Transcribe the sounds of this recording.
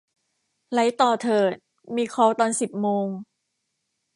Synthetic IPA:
la˨˦˥jt̪ɔː˨˩t̪ʰɤː˨˩t̪̚ | miː˧kʰɔː˧˩wt̪ɔː˧nsi˨˩p̚moː˧ŋ

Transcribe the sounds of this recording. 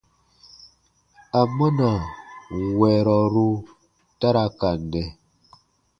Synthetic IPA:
a˨mə˦na˨ | wɛ˨ɾɔ˨ɾu˦ | ta˦ɾa˦ka˨n˨dɛ˨

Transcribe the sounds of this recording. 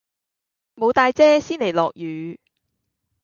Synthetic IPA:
mo˨˧wt̪aː˧jt͡sɛː˥siː˥nle˨˩jlɔ̰ː˨k̚jyː˨˥

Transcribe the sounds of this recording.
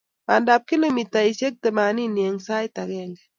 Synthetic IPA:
ma˨nda˨p̚ki˦lo˨mi˨ta˨i˨ʃe˦k̚t̪ɛ˨ma˨ni˦nje˨ŋsa˦ɪ˦ta˨ɡɛ˦ŋɡɛ˨

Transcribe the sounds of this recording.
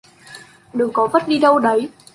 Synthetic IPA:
ɗɨ˨˩˦ŋkɔ˨˦və˦˥t̚ɗi˧ɗə˧wɗə˨˦j

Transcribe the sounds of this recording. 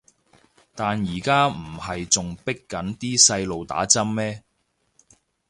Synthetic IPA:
t̪aː˨njiː˨˩kaː˥m̩˨˩hɐ˨jt͡sʊ˨ŋpɪ˥kːɐ˨˥nt̪iː˥sɐ˧jlo˨wt̪a̰ː˨˥t͡sɐ˥mːɛː˥

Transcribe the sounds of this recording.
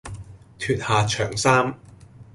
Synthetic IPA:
t̪ʰyː˨t̚haː˨t͡ʃʰœː˨˩ŋsaː˥m

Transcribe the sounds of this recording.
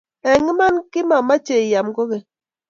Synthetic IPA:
ɛ˨ŋi˦ma˦nki˦ma˨ma˦t͡ʃe˨i˨ja˨mɡo˦ɣe˨

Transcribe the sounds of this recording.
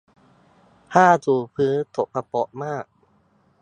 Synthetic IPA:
haː˥˩t̪uː˨˩pʰɯː˦˥nt̪o˨˩pʰːa˧pɔ˨˩ʔmaː˥˩k̚

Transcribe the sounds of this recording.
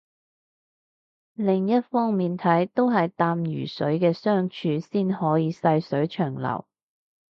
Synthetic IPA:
lɪ˨˩ŋjɐ˥t̚fɔː˥ŋmiː˨nt̪ʰɐ˨˥jt̪o˥wɦɐ˨jt̪aː˧mjyː˨˩sɵ˨˥ɥkɛː˧sœː˥ŋt͡ʃʰyː˧siː˥nhɔː˨˥jiː˨˧sɐ˧jsɵ˨˥ɥt͡ʃʰœː˨˩ŋlɐ̰˨˩w

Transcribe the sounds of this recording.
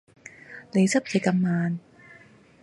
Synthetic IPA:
ne˨˧jsɐ˥p̚t͡sɐ˨˩jkɐ˧mːaː˧n

